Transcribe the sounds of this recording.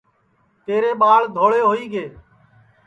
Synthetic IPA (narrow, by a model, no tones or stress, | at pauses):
t̪eːɾeːɓaːɭd̪ʱoːɭeːɦoːiːɡeː